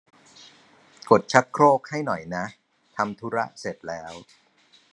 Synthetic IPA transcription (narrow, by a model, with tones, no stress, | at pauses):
ko˨˩t̪̚t͡ɕʰa˦˥t̪̚kʰɾoː˥˩k̚ha˥˩jnɔ˨˩jna˦˥ʔ | t̪ʰa˧mt̪ʰu˦˥ɾa̰˦˥ʔse˨˩t̪̚lɛː˦˥w